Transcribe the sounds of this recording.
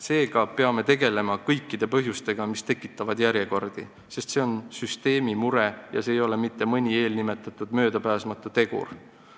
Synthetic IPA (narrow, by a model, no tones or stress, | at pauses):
se̞ːɡ̥ɑpe̞ɑme̞t̪e̞ɡe̞le̞mɑkɤ̞jkˑːid̪̥e̞pɤɦjust̪e̞ɡ̥ɑmist̪e̞kːˑit̪ːˑɑvɑd̪jæɾje̞ko̞rd̪̥ḭ | se̞st̪seo̞nsyst̪e̞ːmimuɾejɑ̰seːjo̞le̞mit̪ːe̞mɤnʲie̞ːlnime̞t̪ːˑɑt̪ːˑud̪̥mø̞ːd̪̥ɑpæːsmɑt̪ːˑut̪e̞ɡ̥ṵr